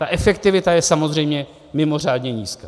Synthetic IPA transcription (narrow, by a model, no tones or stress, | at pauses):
t̪aʔɛfɛkt̪ɪvɪt̪ajɛsamo̞zr̝ɛjmɲɛ | mɪmo̞r̝aːd̪ɲɛɲiːska